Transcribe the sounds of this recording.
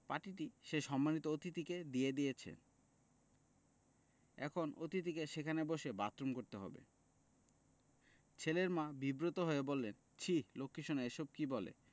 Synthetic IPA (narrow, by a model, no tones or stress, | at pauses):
paʈiʈiʃeʃɔmːanit̪oot̪it̪iked̪ijed̪ijet͡ɕʰḛn | ɛ̰kʰonot̪it̪ikeʃekʰaneboʃebat̪ːɾomkoɾt̪eɦɔ̰bḛ | t͡ɕʰeleɾmãbibɾot̪oɦoebolːen | t͡ɕʰilokʰːiʃonaeʃob̚kibɔlḛ